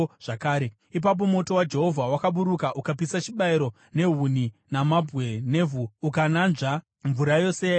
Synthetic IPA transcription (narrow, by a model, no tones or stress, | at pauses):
ʐ̥akaːɾe | ip̬ap̬o̞mo̞to̞wad͡ʒe̞ɦo̞vʱawakaɓuɾukaʔukap̬isat͡ʃiɓaiɾo̞ | ne̞ɦuninamabʱwe̞ne̞ːvuːkananʐa | ɱvuɾajo̞se